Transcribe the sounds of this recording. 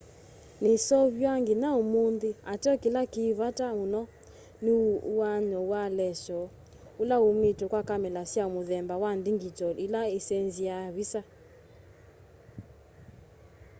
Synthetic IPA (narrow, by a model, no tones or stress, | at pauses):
nesɔβjaŋɡenaomondeatɔkelakeβatamunɔ | newaɲɔwalɛʃɔ | ulaometɔkwakamɛlasjamoðɛmbawandiŋɡitɔʔilaesɛnziaβisa